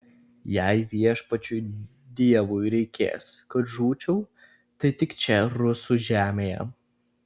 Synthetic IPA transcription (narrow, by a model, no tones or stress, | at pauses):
jɛˑɪʋʲiɛʃpɐt͡ʃʲuː | d̪ʲiɛʋujɾʲɛɪkʲḛːskɐt̪ʒuːt͡ʃʲɛʊ | t̪ɐɪt̪ʲɪkt͡ʃʲɛɾʊsuːʒʲæːmʲeːjɛ̰